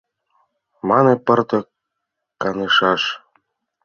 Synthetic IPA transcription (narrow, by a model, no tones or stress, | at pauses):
mɑnepɤ̆rt̪ɤ̆ | kːɑnɤʃɑʃ